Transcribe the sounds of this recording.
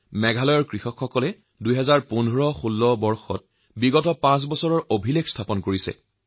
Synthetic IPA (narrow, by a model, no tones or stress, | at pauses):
mɛɡʱalɔjɔɹkɹixɔkxɔkɔlɛ | dujɦɛzaɹpunʱɔɹɔxulːɔbɔɹxɔt̚ | biɡɔtɔpãs̬bɔsɔɹɔɹobʱilekstʰapɔnkoɹisɛ̰